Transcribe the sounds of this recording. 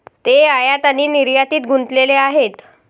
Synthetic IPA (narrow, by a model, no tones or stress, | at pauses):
t̪eajat̪añiːniɾjat̪iːt̪ɡʱunt̪leleaɦet̪